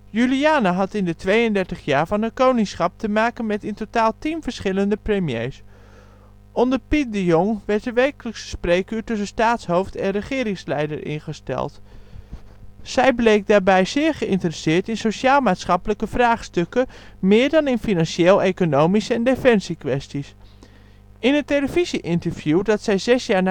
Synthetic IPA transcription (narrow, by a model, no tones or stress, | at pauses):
jyliaːnaɦɑtɪndətʋejəndɛɹtəχjaːɹvɑnɦətkownɪŋsχɑp̚təmaːkənmɛtɪntotaːlˠtinvəɹsχɪləndəprəmjḛjs | ʔɔndəɹpit̚dəjɔŋʋɛɹt̚dəʋɛjkələksə̥sprejkyːɹtɵs̬ənstaːtsɦowftɛnrəχɪːɾɪŋslɛjdəɹʔɪ̰nχəstɛ̰lˠt | sɛjblejk̚daːɹbɛjzɪːɹχəɪntərəsɪːɹtɪnsoʃaːlˠmaːtsχɑpələkəvraːχstɵkəmɪːɹdɑnɪnfinɑnʃeːlˠejkonowmisəɛndefɛnsikʋɛstis | ɪnəteləviziʔɪntəɹv̥judɑtsɛjzɛsjaːɹn